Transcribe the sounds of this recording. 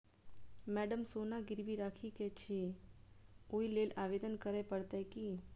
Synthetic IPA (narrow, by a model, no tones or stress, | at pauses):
mɛɖəmsonaɡɪɾʋiɾakʰiket͡ʃʰe | oilelaʋed̪ənkəɾepəɽt̪eki